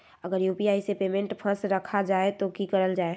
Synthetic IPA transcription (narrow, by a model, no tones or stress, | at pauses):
əɡəɾjuːpiaːisepeːmẽɳʈpʰə̃sɾəkʰad͡ʒaːet̪okikəɾəld͡ʒaːe